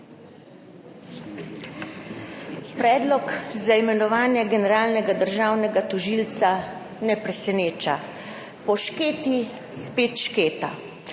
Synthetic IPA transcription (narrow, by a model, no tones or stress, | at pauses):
pɾɛːd̪lɔkzaimɛnɔʋaːnjɛɡɛnɛɾaːlnɛɡad̪əɾʒaːwnɛɡat̪ɔʒilt̪sa | nɛpɾɛsɛneːt͡ʃa | pɔʃkeːt̪i | speːt̪ʃkeːt̪a̰